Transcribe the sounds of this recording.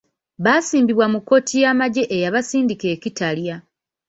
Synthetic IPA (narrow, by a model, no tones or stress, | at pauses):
βasiːmbiβwamukːo̞tʰijamaɟe̞ʔejaβasiːndike̞ːcitalja